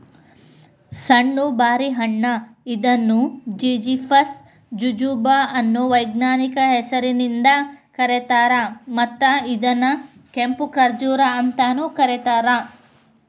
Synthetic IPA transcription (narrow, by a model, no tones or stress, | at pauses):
sɐɳːubaːɾiɦɐɳːɐid̪ɐnːud͡ʒid͡ʒipʰɐs | d͡ʒud͡ʒuːbaɐnːuʋɐjɡnaːnikɐɦɛsɐɾinind̪ɐkɐɾet̪aːɾɐmɐt̪ːɐid̪ɐnɐkempukɐɾd͡ʒuːɾɐɐnt̪aːnukɐɾet̪aːɾɐ